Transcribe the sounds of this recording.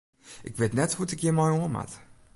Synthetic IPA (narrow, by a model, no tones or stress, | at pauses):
ʔɪkʋetnɛthutɪkjəmɔjoəma̰t